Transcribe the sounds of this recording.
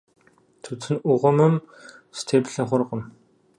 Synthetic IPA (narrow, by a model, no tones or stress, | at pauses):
t̪ʰɵt͡sɘ̆nʊʁə̆mə̆m | st̪ʰepɮɘ̆ŋχʊrʁə̆m